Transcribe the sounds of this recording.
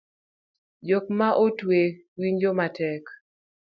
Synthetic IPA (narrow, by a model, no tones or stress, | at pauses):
d͡ʒokmaʔotwe | wiɲd͡ʒomatɛk